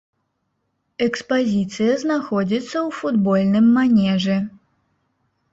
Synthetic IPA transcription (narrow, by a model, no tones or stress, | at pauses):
ɛkspazʲit̪sɨjɐznaxɔd͡zʲit̪sːɐwfud̪bɔlʲnɨmːanʲɛʐɛ